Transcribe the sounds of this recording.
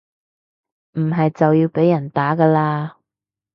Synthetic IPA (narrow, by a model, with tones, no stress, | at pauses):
m̩˨˩ɦɐ˨jt͡sɐ˨wjiː˧wpe˨˥jːɐ˨˩nt̪aː˨˥kɐː˧laː˧